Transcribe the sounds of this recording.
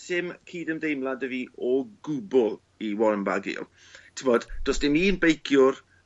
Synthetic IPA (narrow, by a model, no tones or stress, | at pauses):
sɪmkʰiːdəmdejmlˠadəviːɔɡʊbʊlˠ | iwɔlənba̰ɡḭlˠ | tʰɪmɔd̥d̥osd̥ɪmiːənbejkʰjʊr